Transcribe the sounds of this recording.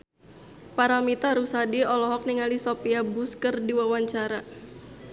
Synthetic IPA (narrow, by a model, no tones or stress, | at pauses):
paɾamit̪aɾusadiɔlɔɦɔk̚niŋalisɔpiabuskərdiwawaɲt͡ʃaɾa